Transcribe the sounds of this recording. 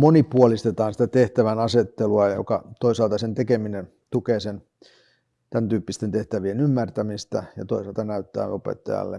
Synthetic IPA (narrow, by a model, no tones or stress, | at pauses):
monipuolist̪et̪ɑːnsi̥t̪æt̪eht̪æʋænɑset̪ːeluɑjjo̰kɑt̪oisɑlt̪ɑsent̪ekeminen | t̪ukeːsen | t̪ænt̪yːpːist̪ent̪eht̪æʋienymːært̪æmist̪æjɑt̪oisɑˑlt̪ɑnæyt̪ːæ̰ːopḛt̪ːɑ̰jɑ̰lːḛ